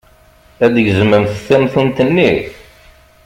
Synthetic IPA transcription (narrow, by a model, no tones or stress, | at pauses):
æd̪əʝzməmθəθːæmθunt̪ənːiθ